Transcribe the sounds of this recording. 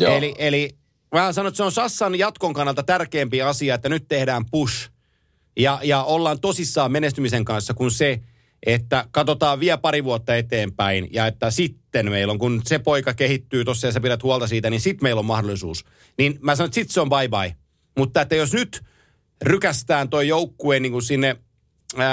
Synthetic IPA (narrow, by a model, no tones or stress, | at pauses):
jeliʔeli | mæænsɑnoet̪seõnsɑsːɑnjɑt̪koŋkɑnːɑlt̪ɑt̪ærkeːmpiɑsiɑet̪ːænyt̪t̪ehdæːmpuʃ | jɑjɑolːɑːnt̪osisːɑːmmenest̪ymiseŋkɑnsːɑkunse | ʔet̪ːækɑt̪ot̪ɑːʋʋiæpɑɾiʋuɑt̪ːɑet̪eːmpæinjɑet̪ːæsit̪ːenmeilːoŋkunsepoikɑkehit̪ːyːt̪osːɑjɑsæpiɾæt̪huɑlˠt̪ɑsiːt̪æninsit̪meilommɑhdolˑisṵːs | ninmæsɑnoet̪sit̪seombɑibɑi | mut̪ːɑet̪ːæjosnyt̪ | rykæst̪æːnt̪oijoukːueːniːŋkunsinːe